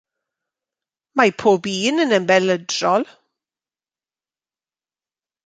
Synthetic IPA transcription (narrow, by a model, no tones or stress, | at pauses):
majpʰoːbiːnənənbɛlədrɔlˠ